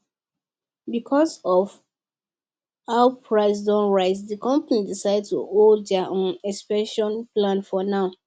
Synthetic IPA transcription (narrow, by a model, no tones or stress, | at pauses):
bikʰɔsɔv | haʊpʰɹaɪs̬dɔ̃nɹaɪs̬dikʰɔ̃mpanidisaɪd̚tṵolddɛʔɔ̃nɛkspɛ̃nʃɔ̃nplãnfɔnaʊ